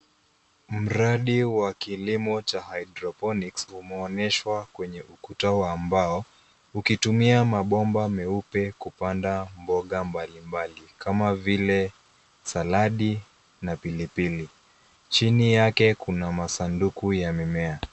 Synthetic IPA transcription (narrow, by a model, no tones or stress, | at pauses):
m̩ɾaɗiwakilimɔt͡ʃahaiɗɾɔpɔniksumɛɔnɛʃwakwɛɲɛʔukutawaːmbaɔ | ukitumiamaɓɔmbamɛupɛkupandambɔɠambalimbalikamavilɛ | salaɗi | napilipili | t͡ʃinijakɛkunamasandukujamimɛa